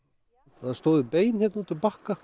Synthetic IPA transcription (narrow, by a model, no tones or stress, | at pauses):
ɛast̪oːwðɪpeːjnçjɛt̪naut̪ʰɪlpaːhka